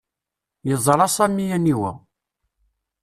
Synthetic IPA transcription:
jəzˤɾˤɑsæmːijæniwæ̰

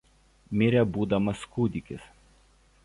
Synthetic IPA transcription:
mʲɪɾʲɛbuːd̪ɐmɐskuːd̪ʲɪkʲɪs

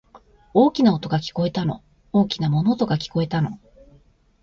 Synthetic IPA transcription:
o̞ːkʲinaot̪o̞ɡakʲi̥ko̞e̞t̪ano̞̰ | oːkʲinamo̞no̞t̪o̞ɡakʲi̥ko̞e̞t̪ano̞̰

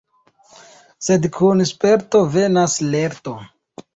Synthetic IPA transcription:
se̞dkʰunspe̞ɾto̞ve̞nasle̞ɾto̞

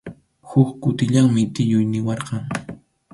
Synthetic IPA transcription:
hʊkkʊt̪ɪʎaŋmɪt̪ɪjʊjnɪwɑɾqɑŋ

